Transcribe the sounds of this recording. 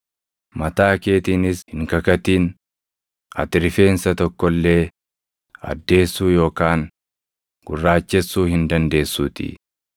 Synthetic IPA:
mɐt̪aːke̞ːt̪iːnɪshɪŋkɐkɐt̪iːn | ɐ̰t̪ɪɾɪfe̞ːnsɐt̪ɔkːɔlːe̞ː | ɐ̰d̪ːe̞ːsːuːjo̞ːkaːn | ɡ̥ʊrːaːt͡ʃːɛsːuːhɪnd̪ɐnd̪e̞ːsːuːt̪ɪ̰

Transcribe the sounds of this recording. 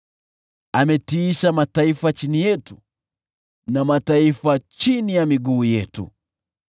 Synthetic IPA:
amɛtiːʃamataifat͡ʃinijɛtu | namataifat͡ʃinijamiɡuːjɛ̰tṵ

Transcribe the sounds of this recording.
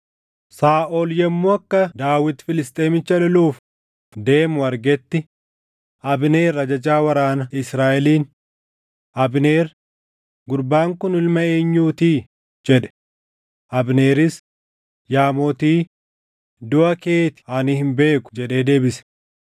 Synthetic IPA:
saːʔoːljɛmːoɐkːɐd̪aːwɪt̪fɪlɪst̪ʼeːmɪt͡ʃːɐlɔluːf | d̪e̞ːmʊɐɾɡɛt̪ːɪ | ʔɐbne̞ːrːɐd͡ʒɐd͡ʒaːwɐɾaːnɐɪsɾaːʔɛliːn | ɐbne̞ːɾ | ɡʊɾbaːŋkʊnɪlmɐeːɲːuːt̪iː | d͡ʒɛᶑɛ̥ | ʔɐbneːɾɪs | jaːmoːt̪iː | d̪ʊʔɐkeːt̪ɪ̥ɐnihɪmbe̞ːkʊ̥d͡ʒɛɗe̞ːd̪e̞ːbɪs

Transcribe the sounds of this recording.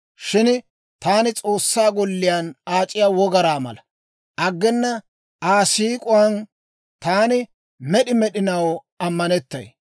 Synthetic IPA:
ʃɪn | t̪aːnɪt͡sʼo̞ːsːaːɡɔlːɪjanaːt͡ʃʼɪjaːwɔɡɐɾaːmɐ̰lɐ | ʔɐɡːɛnːɐ | ʔaːsiːkʼʊwɐn | t̪aːnɪ | mɛɗɪmɛɗɪnɐw | ɐmːɐnɛt̪ːɐ̰j

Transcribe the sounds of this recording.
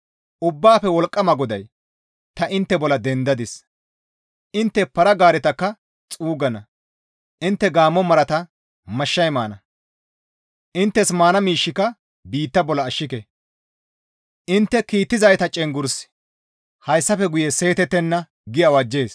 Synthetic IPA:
ʔʊbːaːfɛwɔlkʼːɐmɐɡɔd̪ɐj | t̪ɐʔɪnt̪ːɛbɔlɐd̪ɛnd̪ɐd̪ɪs | ʔɪnt̪ːɛpɐɾɐɡaːɾɛt̪ɐkːɐ | t͡sʼuːɡɐnɐ | ʔɪnt̪ːɛɡaːmːɔmɐɾɐt̪ɐ | mɐʃːɐjmaːnɐ | ʔɪnt̪ːɛsmaːnɐmiːʃːɪkɐ | biːt̪ːɐbɔlɐːʃːɪkɛ | ʔɪnt̪ːɛkiːt̪ːɪzɐjt̪ɐt͡ʃʼɛŋɡʊɾs | hɐjsːɐfɛɡʊjɛse̞ːt̪ɛt̪ːɛnːɐ | ɡɪjɐwɐd͡ʒːe̞ːs

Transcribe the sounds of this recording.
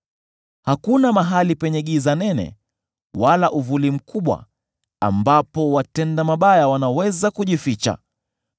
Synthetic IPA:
hakunamaɦalipɛɲɛɠizanɛnɛ̰ | walaʔuvulim̩kʰuɓwa̰ | a̰mbapɔwatɛndamaɓajawanawɛzakuʄifit͡ʃa̰

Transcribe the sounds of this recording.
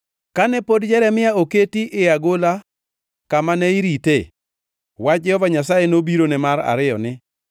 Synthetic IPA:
kanɛpodd͡ʒɛɾɛmɪjaoketiʔɪaɡola | kamanɛiɾite | wad͡ʒɛhɔvaɲasajenobiɾonɛmaɾa̰ɾɪjɔ̰nɪ

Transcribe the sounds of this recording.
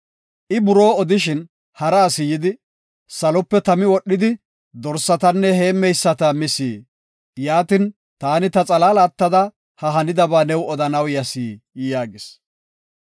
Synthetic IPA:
ʔɪbʊɾo̞ːɔd̪ɪʃɪn | hɐɾaːsɪjɪd̪ɪ | sɐlɔpːɛt̪ɐmɪwɔɗːɪd̪ɪ | d̪ɔɾsːɐt̪ɐnːɛhe̞ːmːɛjsːɐt̪ɐmɪsiː | jaːt̪ɪn | t̪aːnɪt̪ɐt͡sʼɐlaːlaːt̪ːɐd̪ɐ | hɐɦɐnɪd̪ɐbaːnɛwɔd̪ɐnɐwjɐsiː | jaːɡɪs

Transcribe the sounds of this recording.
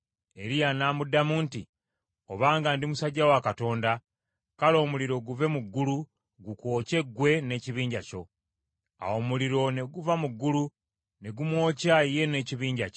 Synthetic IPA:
e̞ɾijanaːmudamuːnti | o̞βaːŋɡandimusaɟːawakato̞ːnda | kalo̞ːmuliɾo̞ɡuve̞muɡːulu | ɡuko̞ːce̞ɡwe̞ne̞ciβiːɲɟaco̞̰ | a̰wo̞muliɾo̞ne̞ɡuvamuɡːulu | ne̞ɡumwo̞ːcaje̞ne̞ːciβiːɲɟaco

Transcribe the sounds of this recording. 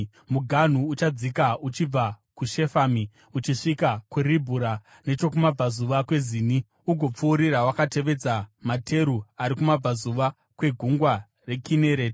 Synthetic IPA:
muɡʱan̤uːt͡ʃad͡zikaut͡ʃib͡vakuʃe̞fami | ut͡ʃiʂikakuribʱuɾa | ne̞t͡ʃo̞kumab͡vazuʋakwe̞ziːni | uɡʱo̞p͡fuːɾirawakate̞ʋe̞d͡zamatʰe̞ɾuaɾikumab͡vazuʋa | kwe̞ɡʱuŋɡwa | re̞kʰineɾe̞ːt

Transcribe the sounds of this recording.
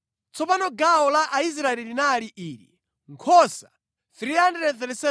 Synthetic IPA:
t͡sʰɔpanɔɡaɔlaʔais̬ɾaɛlilinaliʔiːɾḭ | ŋkʰɔsa | θɾiandɛɾɛθɛɾɛsɛ

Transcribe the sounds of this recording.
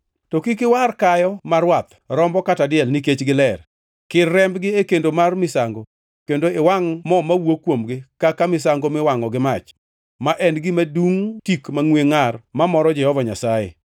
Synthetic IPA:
tɔkɪkɪwarkajɔmaɾwat̪ | ɾɔmbɔkatadɪjɛlniket͡ʃɡɪlɛr | kɪrːɛmbɡɪekendomarmɪsaŋɡo | kendoɪwaŋmɔmawokwomɡɪkakamɪsaŋɡomɪwaŋɔɡɪmat͡ʃ | maʔɛnɡɪmaduŋtikmaŋweŋarmamɔɾɔd͡ʒɛhɔvaɲasajḛ

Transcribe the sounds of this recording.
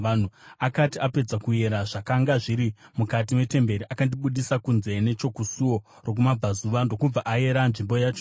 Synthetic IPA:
an̤uakatiape̞d͡zakue̞ɾaʐakaŋɡaʐiɾimukatimwe̞te̞mbe̞ɾiʔakandiɓuɗisakunze̞ne̞t͡ʃo̞kusuwo̞ | ro̞k̬umab͡vazuʋando̞kub͡vaʔaje̞ɾanʐimbo̞jaːt͡ʃo

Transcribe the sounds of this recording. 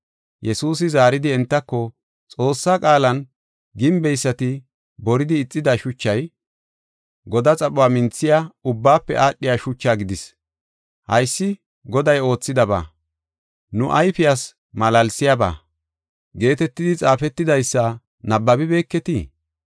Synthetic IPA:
jɛsuːs̬ɪzaːɾɪd̪ɪɛnt̪ːɐkːɔ | t͡sʼo̞ːsːakʼaːlɐn | ɡɪmbɛjsːɐt̪ɪ | bɔɾɪd̪ɪːt͡sʼːɪd̪ɐʃʊt͡ʃːɐj | ɡɔd̪ɐt͡sʼɐɓʊwaːmɪnt͡sːɪjaʊbːaːpːɛ̰ʔaːɗːɪjaːʃʊt͡ʃːaːɡɪd̪ɪs | hɐjsːɪ | ɡɔd̪ɐjo̞ːt͡sːɪd̪ɐba̰ː | nʊʔɐjfɪjas | mɐlɐlsɪjaba̰ː | ɡe̞ːt̪ɛt̪ːɪd̪ɪt͡sʼaːfɛt̪ːɪd̪ɐjsːɐ | nɐbːɐbɪbe̞ːkːɛt̪i

